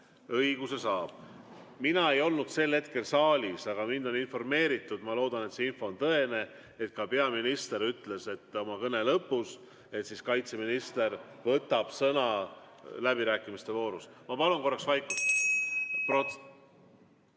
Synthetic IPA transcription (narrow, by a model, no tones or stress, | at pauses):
ɤjɡ̥use̞sɑːb̥̚ | minɑe̞jo̞lnud̪̥se̞lːe̞t̪ke̞lsɑːlʲisɑɡ̥ɑmind̪̥o̞ninfo̞rme̞ːɾit̪ːˑud̪̥mɑlo̞ːd̪ɑne̞t̪seinfo̞ːnt̪ɤe̞ne̞ | et̪̚kɑpe̞ɑminist̪e̞ɾyt̪ːle̞se̞t̪ːo̞mɑkɤne̞lɤpːˑus | e̞t̪siskɑjt̪se̞minist̪e̞r | vɤt̪ːˑɑb̥sɤnɑ | læbiɾæːkːˑimist̪e̞vo̞ːɾusmɑpɑlunko̞rːɑksvɑjkːˑu | pro